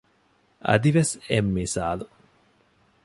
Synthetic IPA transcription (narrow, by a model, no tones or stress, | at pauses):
ɐ̰d̪iʋesemːiːsa̰ːlu